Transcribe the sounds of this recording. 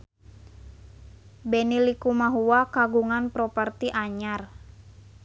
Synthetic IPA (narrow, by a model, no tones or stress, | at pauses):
bɛnilikumaɦuwakaɡuŋanpɾɔpərt̪iʔaɲar